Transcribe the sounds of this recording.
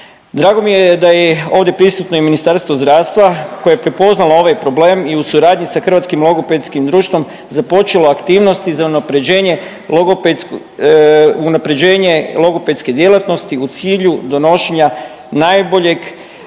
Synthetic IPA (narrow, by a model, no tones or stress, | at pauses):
d̪ɾaːɡo̞mijed̪ajeo̞ːʋd̪je̞pɾisut̪no̞iminist̪aɾst̪ʋozd̪ɾaːʋst̪ʋakojajepɾe̞po̞znalˠoo̞ʋajpɾo̞ble̞ːmiusuɾaːd̪ɲisaxr̩ʋat̪skimlˠo̞ɡo̞pet̪skimd̪ɾuːʃt̪ʋo̞m | zapo̞t͡ʃeloakt̪iːʋno̞st̪izaunapɾe̞d͡ʑe̞ːɲe̞ | loɡope | unapɾe̞d͡ʑe̞ːɲe̞lˠo̞ɡoped̪ske̞d̪jelˠat̪no̞st̪iut̪siːʎud̪o̞no̞ʃeɲa | najbo̞ʎe̞ɡ